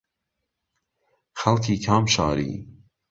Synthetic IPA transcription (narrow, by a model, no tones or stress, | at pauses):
xɐlkʰiːkʰaːmʃɑ̰ːɾḭː